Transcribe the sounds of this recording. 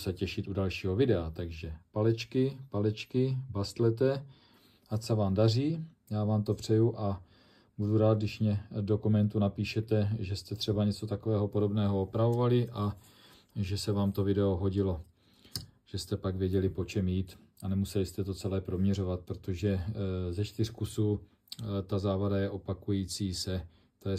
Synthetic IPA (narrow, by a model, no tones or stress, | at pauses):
sɛcɛʃɪt̪ʔudalʃiːɦo̞vɪdɛat̪aɡʒɛpalɛt͡ʃkɪpalɛt͡ʃkɪbast̪lɛt̪ɛ | asɛvaːmdar̝iː | jaːvaːmt̪o̞pr̝̥ɛjuʔa | buduɾaːd̪̚dɪʃmɲɛdo̞kumɛnt̪unapiːʃɛt̪ɛʒɛst̪ɛt̪r̝̥ɛbaɲɛt͡so̞t̪akovɛːɦo̞po̞do̞bnɛːɦo̞opɾavo̞valɪʔa | ʒɛsɛvaːmt̪o̞vɪdɛoɦo̞ɟɪlo̞ | ʒ̥ɛst̪ɛpaɡvjɛɟɛlɪpo̞t͡ʃɛmjiːt̪ | anɛmusɛlɪst̪ɛt̪o̞t͡sɛlɛːpɾo̞mɲɛro̞vat̪̚pɾot̪oʒɛzɛt͡ʃt̪ɪrkusuː | t̪azaːvadajɛʔo̞pakujiːt͡siːsɛ | t̪ojɛ